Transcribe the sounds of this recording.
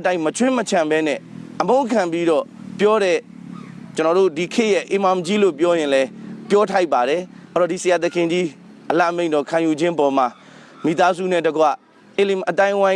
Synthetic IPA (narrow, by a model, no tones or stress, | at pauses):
tãɪ̃mət͡ɕʰwɪ̃mət͡ɕʰãmbɛnɛ̰̃ʔəmõkʰãmpiɾɔpjɔɾɛ | t͡ɕənɔɾo̰dikʰɪʔjɛʔḛmãmd͡ʑilop̬jɔjɪ̃lɛpjɔtʰaɪpːaɾɛɔɾɔdisəjat̪̬əkʰɪ̃ɲd͡ʑi | ʔəla̰ʔmẽɪ̃nd̪ɔkʰãjud͡ʑɪ̃ʔpɔm̥a | mḭt̪azṵnɛdəɡwa̰ | elemʔət̪ãɪ̃ʔwã